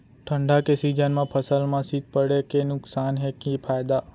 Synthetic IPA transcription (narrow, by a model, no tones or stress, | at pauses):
ʈʰəɳɖakesid͡ʒənmãpʰəsəlmãsit̪̚pəɽekenʊksanɦekĩpʰajd̪a